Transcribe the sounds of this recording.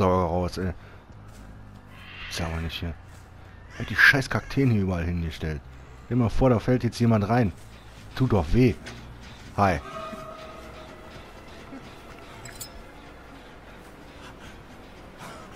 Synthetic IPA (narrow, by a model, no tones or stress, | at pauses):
ɔɐɡəʁaʊsʔɛː | sabɐnɪçthiːɐ | hat̚d̥iːʃaɪskʰaktʰeːnhiːɐyːbɐalhɪnɡəʃtɛlt | ʃeːmaːfoːɐɾaːfɛltjɛt͡stjeːmantʁaɪn | tʰuːt̚d̥ɔχveː | haɪ